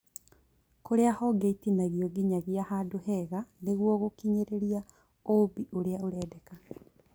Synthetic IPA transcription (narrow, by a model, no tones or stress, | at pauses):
koɾeahɔɡeitinaɣjoɡiɲaɣjahaːdohɛɣaneɣwɔɣokiɲeɾeɾia | obiʔoɾeaoɾɛːdeka